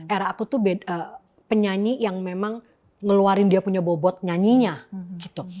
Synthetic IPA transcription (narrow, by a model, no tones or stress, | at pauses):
eɾaakut̪ubedə | pəɲaɲijaŋmemaŋ | ŋəluaɾɪndiapuɲabobɔt̪̚ɲaɲiɲaɡit̪u